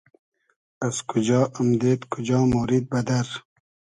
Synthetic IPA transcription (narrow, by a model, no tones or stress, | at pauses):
azkʰʊd͡ʒɑːʔamd̪eːt̪kʰʊd͡ʒɑːmoɾid̪̚bad̪aɾ